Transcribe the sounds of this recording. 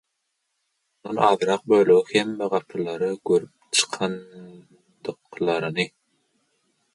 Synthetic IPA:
unɑnɑːðɯɾɑq̚bøjløɣihemːeʁɑpʰɾɯlˠɑɾɯɡøɾyp̚t͡ʃʰɯ̥qʰɑn | d̪̥ɯqlˠɑɾɯnɯ

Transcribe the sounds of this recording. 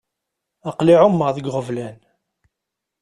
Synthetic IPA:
əqliʕʊmːəʁðəɡʁəvlæn

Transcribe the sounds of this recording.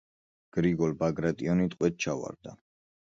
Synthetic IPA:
ɡ̥ɾiɡɔlˠbaɡɾat̪ʼiɔnit̪ʼqʼwɛt̪̚t͡ʃʰava̰ɾd̪a

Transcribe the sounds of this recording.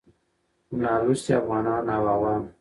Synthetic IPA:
naɾust̪eafɣɑnɑnawawam

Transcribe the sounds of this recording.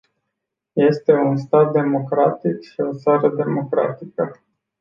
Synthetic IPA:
je̞st̪e̞unst̪at̪̚d̪e̞mo̞kɾat̪ikʃio̞t̪saɾəd̪e̞mo̞kɾa̰t̪ikə

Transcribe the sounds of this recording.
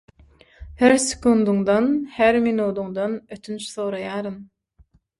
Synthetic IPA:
hæɾsɪ̥kund̪uŋd̪ɑnhæɾminuːd̪uŋd̪ɑnøt̪ʰynt͡ʃθoːɾɑjɑːɾɯn

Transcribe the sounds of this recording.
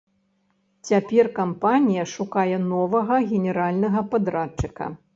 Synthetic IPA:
t͡sʲapʲɛrkampanʲijɐʂukajɛnɔvɐɣɐɣʲɛnʲɛɾalʲnɐɣɐpad̪ɾat͡ʂːɨkɐ̰

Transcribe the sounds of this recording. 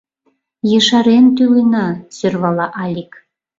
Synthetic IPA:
jɤʃɑɾent̪ylenɑsørβɑlɑʔɑlʲik

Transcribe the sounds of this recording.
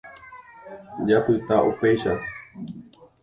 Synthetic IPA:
d͡ʒapɨt̪aʔupejʃa

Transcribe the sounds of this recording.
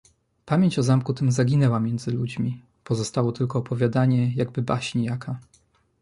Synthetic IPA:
pamʲjeɲt͡ɕɔzamkut̪ɘmzaɡʲinɛwamʲjɛnd̪zɘlud͡ʑmʲi | pɔzɔst̪awɔt̪ɘlkɔːpɔvʲjad̪aɲɛjaɡbɘbaɕɲijakʰa

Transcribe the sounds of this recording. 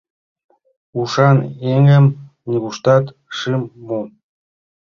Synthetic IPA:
uʃɑneŋə̆m | nʲiβuʃt̪ɑt̪ | ʃɨmːu

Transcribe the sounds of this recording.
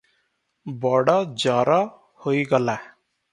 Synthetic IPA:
bɔɽad͡ʒaːɾa | hoiɡəlaː

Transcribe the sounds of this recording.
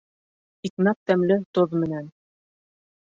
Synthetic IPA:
ik̪nɑp̚t̪æmlɘt̪oðmɘ̆næn

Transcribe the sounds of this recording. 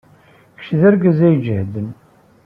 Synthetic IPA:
kə̥ʃðæɾɡæzæjd͡ʒəhd̪ən

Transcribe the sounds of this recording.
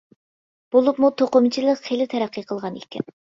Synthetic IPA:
b̥olˠupmut̪ʰoqomt͡ʃʰilˠəqχelɪt̪ʰɛɾæqʰːijqʰəlˠʁɑnḛkʲɛ̰n

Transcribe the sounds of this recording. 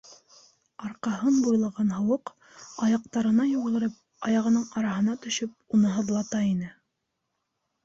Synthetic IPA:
ɑɾqɑɦɤnbujlˠɑʁɑnɦɤ̆wɤq | ɑjɑq̚t̪ɑɾɤ̆nɑjuʁ̆lˠɤ̆ɾɤp̚ | ɑjɑʁɤ̆nɤɴɑɾɑɦɤ̆nɑt̪ɵ̆ʃɵp̚unɤɦɤ̆ðlˠɑt̪ɑinɘ

